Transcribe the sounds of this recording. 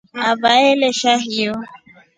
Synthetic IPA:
avaeleʃaɦijo

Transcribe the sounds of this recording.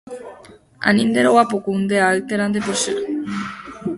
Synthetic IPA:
a̰nind̪eɾowapokuund̪eaːlt̪eɾand̪eposit

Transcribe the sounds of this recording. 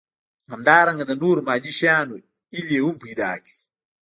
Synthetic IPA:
ŋamdaːɾaŋɡədanuːɾmad͡ʒiʃanu | ilewumpida̰ːki̥

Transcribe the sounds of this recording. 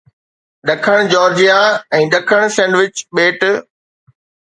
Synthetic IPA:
ɗɐkʰəɽ̃d͡ʑɔːɾd͡ʑijaɛ̃ːɗɐkʰəɽ̃sɛ̃ːɳɖʋɪt͡ɕɓeːʈ

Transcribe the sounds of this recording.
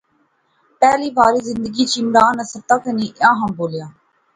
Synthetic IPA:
pɛːliːbaːɾiːzɪnd̪əɡiːt͡ʃiːmɾaːnəsət̪aːkənĩːʔãːɦãːboːljaː

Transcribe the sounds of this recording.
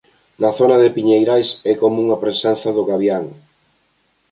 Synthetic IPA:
nɐθonɐðɪpiɲejɾajsɛkomuŋapɾesɛnθɐðʊɣaβjaŋ

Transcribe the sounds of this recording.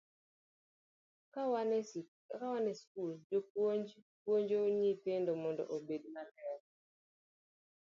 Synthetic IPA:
kawanɛskuld͡ʒoppwoɲd͡ʒoɲipɪndɔmɔndɔ̰ʔobedmalɛt

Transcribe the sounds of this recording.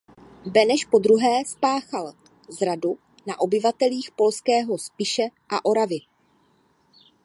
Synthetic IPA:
bɛnɛʃpo̞d̪ɾuɦɛːspaːxal | zɾadu | naʔo̞bɪvat̪ɛliːxpo̞lskɛːɦo̞spɪʃɛʔa̰ʔo̞ɾavɪ

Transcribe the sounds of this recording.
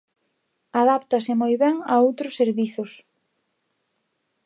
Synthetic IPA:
aðapt̪ɐsɪmojβɛŋaowt̪ɾʊsːeɾβiθʊs

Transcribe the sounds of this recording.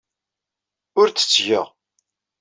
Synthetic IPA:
ʊɾt͡sːə̥t͡sːʝəʁ

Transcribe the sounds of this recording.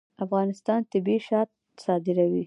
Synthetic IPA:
afɣɑnɪst̪ɑnt̪ɪbiʃɑt̪̚ | sɑd̪ɪɾawi

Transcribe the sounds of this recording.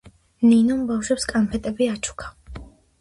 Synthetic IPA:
ninɔmbafʃwɛpskʼampʰɛt̪ʼɛbiat͡ʃʰu̥kʰḁ

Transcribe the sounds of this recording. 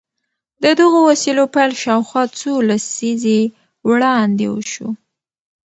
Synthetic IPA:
d̪əd̪əɣowasilopajlʃɑwxwɑt͡solasize | wɽɑnd̪ḛwə̰ʃo̰

